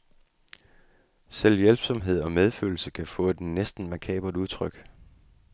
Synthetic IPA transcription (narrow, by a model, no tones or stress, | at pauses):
seljelb̥sɒ̽mɦe̝ð̞̰ˠɒ̽með̞ˠfø̰ːl̩səkʰæfɔ̽ːd̥nesd̥n̩mækʰɛ̰ːb̥l̩duðˠt͡sʰʁœɡ̥